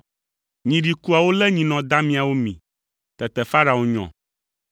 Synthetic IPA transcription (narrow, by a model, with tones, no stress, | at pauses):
ɲĩ˨ɖi˨ku˦a˨wo˦lɛ˦ɲĩ˨nɔ̃˨d̪a˦mĩ˨a˨wo˦mḭ̃˨ | t̪ɛ˨t̪ɛ˨fa˦ɾa˨o˨ɲɔ̰̃˨